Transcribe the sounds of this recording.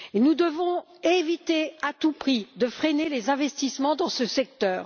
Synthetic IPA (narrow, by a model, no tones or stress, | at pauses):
enud̪əvɔ̃ | evit̪eat̪upχid̪əfχɛnelezɛ̃vɛst̪ismɑ̃d̪ɑ̃səsɛk̚t̪œːʁ